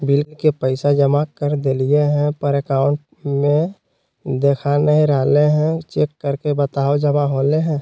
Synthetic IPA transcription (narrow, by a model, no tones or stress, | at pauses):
bilkepəɪsad͡ʒəmakəɾd̪elieɦɛ̃pəɾekaːʊɳʈ̚ | mẽ | d̪eːkʰanəɦĩɾəɦleɦɛ̃t͡ʃeːkːəɾkebət̪aːod͡ʒəmaɦoleɦɛ̃